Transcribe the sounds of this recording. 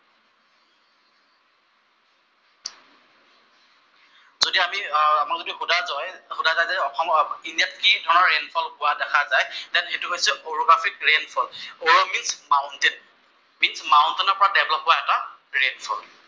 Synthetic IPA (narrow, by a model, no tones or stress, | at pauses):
zodiamiamakzodixudazɔjxudʱazajzaɔkɔminiat̚kidʱɔɹnɔɹːenpʰɔlkʊwadɛkʰazajdɛnxetuɦojsɛʔoɹɔɡɹafʰik̚ɹenfʰɔloɹominsmaʊntɛn | minsmaʊntɛnɔɹpɔɹadɛblɔp̚ɦɔaɛtaɹenfʰɔl